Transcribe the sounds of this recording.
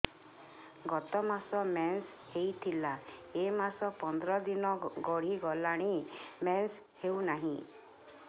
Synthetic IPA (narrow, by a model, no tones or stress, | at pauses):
ɡɔt̪ɔmasɔmens | hejt̪ʰilaemasɔpɔnd̪ɾɔd̪inɔɡɔɽ̤iɡɔlaɽ̃imens | hewnaɦĩ